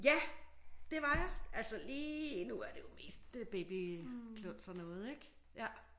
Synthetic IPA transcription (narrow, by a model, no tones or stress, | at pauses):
jæd̥e̝ʋɑ̈jɑʔælsəliːnuæɐd̥e̝jo̝me̝̰ːsd̥b̥e̝b̥ikʰlɔn̰d̥sɒnːɔ̽ːð̞̩ˠeɡ̥ | jæ